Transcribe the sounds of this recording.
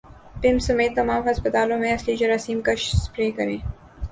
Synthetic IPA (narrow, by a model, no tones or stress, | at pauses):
pɪmsɐmeːt̪ːɐmaːmɦɐspət̪aːlõmẽɐslid͡ʒɐɾaːsiːmkɐʃspɾeːkɐɾẽː